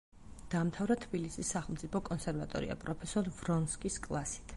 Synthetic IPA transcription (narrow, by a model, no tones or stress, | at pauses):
d̪̥aːmt̪ʰavɾat̪ʰbilisisːaχɛlˠmt̪sʼipʰɔkʼɔnsɛɾvat̪ʼɔ̰ɾḭa̰pʼɾɔpʰɛsɔɾvɾɔnskʼiskʼlˠasi̥t̪ʰ